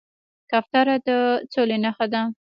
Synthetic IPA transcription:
kaft̪ɑɾad̪ət͡solenaxad̪a

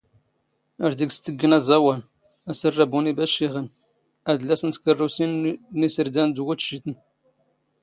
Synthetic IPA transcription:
əɾd̪iɡst̪əɡːənæzˤɑwæn | æsərˤːəbunibæʃiʁən | æðlːæsənt̪kərˤːusinːisəɾd̪ænd̪wut̪ʃit̪ən

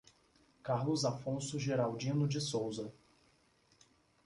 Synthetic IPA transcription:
kaɾlʊzafõsʊʒeɾawd͡ʒĩnʊd͡ʒɪsowzɐ

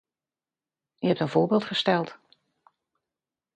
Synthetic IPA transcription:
yɦɛp̚tənv̥ʊːɹbɪːlˠtχəstɛlˠt

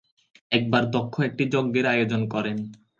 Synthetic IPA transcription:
ɛk̚baɾd̪ɔkʰːoɛk̚ʈid͡ʑoɡːeɾajod͡ʑonkɔɾen

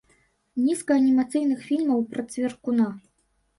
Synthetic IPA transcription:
nʲiskɐːnʲimat̪sɨjnɨxfʲilʲmɐwpɾɐt̪sʲvʲerkuna

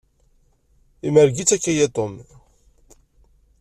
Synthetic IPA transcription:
imæɾɡit͡sːækːæjet̪ˤom

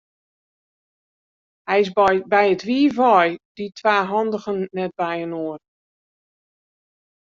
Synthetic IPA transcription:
hɛjɪsbɛjətʋiːvɔjd̥itʰʋaːɦɔndəɣənːɛt̚bɛjənoər

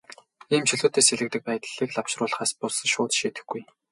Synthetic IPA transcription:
iːmt͡ɕɵɮoːt̪eːseɮɘ̆k̚t̪ɘ̆k̚pæj̆t̪ɮ̥iːkɮawʃrʊːɮχaːspʊs̆ʃʊːt̪ʃiːt̪ɘ̆xɡuj

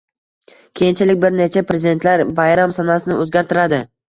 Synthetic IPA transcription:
kʲʰejɪnt͡ʃʰalɪk̚ʲbɪɾne̞t͡ʃʰapɾezɪd̪e̞nt̪laɾbajɾamsanasɪnɪɵzɡʲaɾt̪ʰɪɾad̪ɪ

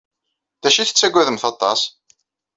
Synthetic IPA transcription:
ðæʃiθə̥t͡sːæɡʷːæðəmθɑt̪ˤːɑ̰s

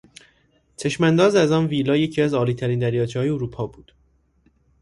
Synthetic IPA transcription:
t͡ʃʰe̞ʃmænd̪ɒːzæzɒːnviːlɒːje̞cʰiːæzɒːliːt̪ʰæɾiːnd̪æɾjɒːt͡ʃʰeɒːjeoɾuːpʰɒːbuːd̪̥

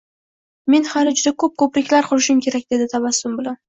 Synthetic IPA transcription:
me̞nhalɪd͡ʒʊd̪akʰɵp̚kʰɵpɾɪkʲlaɾqʰʊɾɪʃɪmkʲʰe̞ɾakʲd̪e̞d̪ɪt̪ʰabasʊmbʊlan

